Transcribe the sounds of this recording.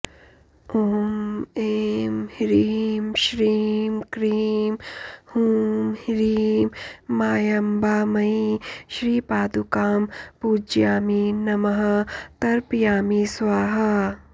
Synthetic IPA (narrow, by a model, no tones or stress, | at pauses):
oːmeːmhiɾiːmʃɾiːmkɾiːmhuːmhiɾiːmːaːjɐmbaːmɐiʃɾiːpaːd̪ukaːmpuːd͡ʒjaːminɐmɐɦɐt̪ɐɾpjaːmiswaːɦɐ